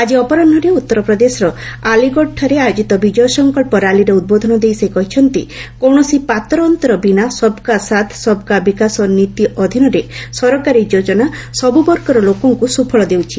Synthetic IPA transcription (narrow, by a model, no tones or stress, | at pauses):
ad͡ʒiɔpɔɾɔnɖʱɔɾeut̪ːɔɾɔpɾɔd̪esɔɾɔaliɡɔʈʰːaɾeajod͡ʒit̪ɔbid͡ʒɔjɔsɔŋkɔɭpɔɾaliɾeud̪̚bod̪ʱɔnɔd̪ejsekɔɦit͡ʃʰɔnt̪ḭkɔwɳɔsipat̪ɾɔːnt̪ɔɾɔbinasɔbkasat̪ʰsɔbkabikasɔnit̪iɔd̪ʱinɔɾesɔɾɔkaɾid͡ʒod͡ʒɔnasɔbubɔɾkɔɾɔlokɔŋkusupʰɔɭɔd̪ewt͡ʃʰi